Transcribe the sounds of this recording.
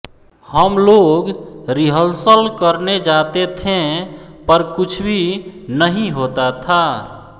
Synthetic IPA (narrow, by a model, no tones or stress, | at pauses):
həmloɡɾiɦəlsəlkəɾned͡ʒat̪et̪ʰẽpəɾkut͡ʃʰbʱinəɦĩɦot̪at̪ʰa